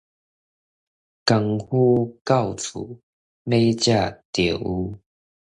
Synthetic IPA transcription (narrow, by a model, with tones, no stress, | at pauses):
ka˧ŋhu˦ka˥˨wt͡sʰṵ˨˩˦ | mẽ˦t͡ɕja˥˧˨t̪ji˨˩u˧˦